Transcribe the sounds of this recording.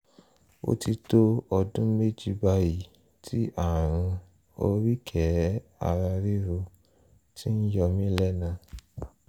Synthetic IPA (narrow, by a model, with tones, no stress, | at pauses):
o̰˦ti˧to˦ɔ˧dũ˦me˦˨d͡ʒi˧ba˧ji˨ | tʰi˦ʔa˦˨ɾ̃ũ˧ | o˧ɾi˦kʰɛ˨˦a̰˧ɾa˧ɾi˦ɾu˧ | tʰi˦n̩˦jɔ˧mĩ˦lɛ˦nã˧